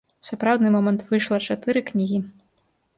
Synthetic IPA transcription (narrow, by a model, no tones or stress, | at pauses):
wsʲapɾawd̪nɨmɔmɐnt̪vɨʂlˠɐt͡ʂat̪ɨɾɨknʲiɣʲi